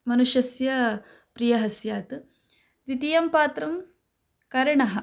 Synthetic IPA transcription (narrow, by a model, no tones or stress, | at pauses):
mɐnuʃjɐsjɐ | pɾijɐɦɐsjaːt̪ | ʋit̪ijɐmpaːt̪ɾɐm | kɐɾɐɳɐɦɐ̆